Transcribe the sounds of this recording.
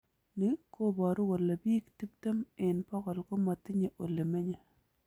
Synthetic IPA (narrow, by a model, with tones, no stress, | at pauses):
ni˨ko˦bɔ˨ɾo˦wo˨lːa˨biː˦kti˦p̚te˦mɪ˨npɔ˦kɔ˨lko˦ma˨tɪ˦ɲe˨ʔo˨lːe˨me˦ɲe˦˨